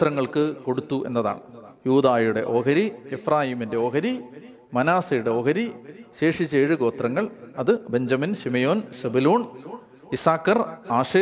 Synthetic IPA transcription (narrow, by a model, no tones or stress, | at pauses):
t̪rɐŋːɐɭkɨko̞ɽut̪ːuʔe̞̰nːɐða̰ːɳɨjuːd̪aːjuɽe̞̰ʔo̞ːɦɐɾiefraːjiːminde̞oːɣɐɾi | mɐnaːsɐjuɽe̞o̞ːɣɐɾiɕe̞ːʂit͡ɕːeːɻɨɡo̞ːt̪rɐŋːɐɭɐðɨbe̞ɲd͡ʑɐminɕimɐjo̞ːnsebuloːɳ | isaːkːɐraːʂeː